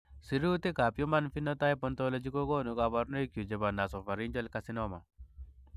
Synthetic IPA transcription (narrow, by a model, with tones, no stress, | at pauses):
si˨ɾu˦t̪e˦ka˨pju˦ma˦nfi˦nɔ˦ta˦i˦pɔntɔlɔ˦d͡ʒi˦ko˦ɡo˦nu˨ɡa˨ba˨˦ɾno˦i˦kju˨d͡ʒe˨ba˨na˨sɔ˨fa˨ɾi˦ɲd͡ʒɔ˦lkasi˦nɔma˨